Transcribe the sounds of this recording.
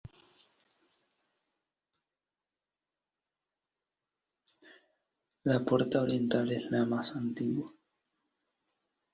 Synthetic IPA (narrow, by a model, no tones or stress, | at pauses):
lapoɾt̪aoɾjent̪aleslamasant̪iɣwa